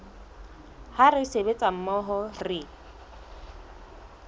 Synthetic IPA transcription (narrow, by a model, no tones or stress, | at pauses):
harɪsebet͡sʼam̩mɔɦɔrɪ